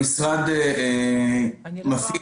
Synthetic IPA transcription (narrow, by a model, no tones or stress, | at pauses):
isʁad̪ee | mafi